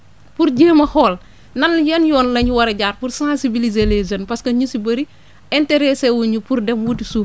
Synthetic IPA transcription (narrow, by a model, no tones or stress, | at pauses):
puɾɟeːmɐhɔːl | nɐnjɐnjɔːnlɐɲiwɐɾeɟaːɾpuɾsãnsibilizelezɐnpɐskɐɲusibɐɾi | ɛnteɾesewuɲupuɾdɛmwutisuːf